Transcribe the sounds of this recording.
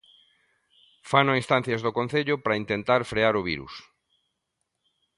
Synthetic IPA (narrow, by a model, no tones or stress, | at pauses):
fanoinst̪an̟θjazðokon̟θeʎʊpɾaint̪ent̪aɾfɾeaɾʊβiɾṵs